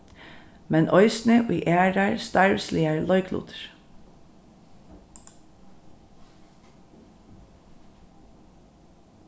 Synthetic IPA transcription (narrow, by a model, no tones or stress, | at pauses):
mɛnʔɔʏsnəʔḭːʔæːɖæɹst̪ɑɹɹsliːəɹlɔʏkʰlṵːt̪ʰəɹ